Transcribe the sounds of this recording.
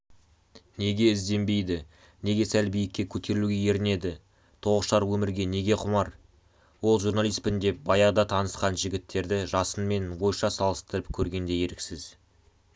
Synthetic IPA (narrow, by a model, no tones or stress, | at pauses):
ne̞ɡʲe̞ɪzd̪e̞mbe̞jd̪ɪ | ne̞ɡʲe̞sælbijɪkʲːe̞kʲʰɵt̪ʰe̞ɾɪluɡʲe̞je̞ɾɪne̞d̪ɪ | t̪ʰo̞ʁəʃɑɾwɵmɪɾɡʲe̞ne̞ɡʲe̞qʰʊmɑɾ | wo̞lˠʒuɾnalˠijspɪnd̪e̞p̚bɑjɑʁd̪ɑt̪ʰɑnəsqɑnʒɪɡʲɪt̪ːe̞ɾd̪ɪʒɑsənme̞nwo̞jʃɑsɑlˠəst̪əɾəpkʲʰɵɾɡʲe̞nd̪e̞je̞ɾɪksɪz